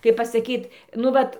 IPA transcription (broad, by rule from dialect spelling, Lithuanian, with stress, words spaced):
kɐɪp pɐsɐˈkʲiːt nʊ ˈʋɐt